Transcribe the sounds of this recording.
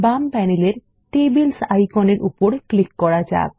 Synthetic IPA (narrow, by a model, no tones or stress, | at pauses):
bampɛneleɾ | ʈebelsajkɔneɾʔṵpɔɾklikːɔɽad͡ʒa̰k̚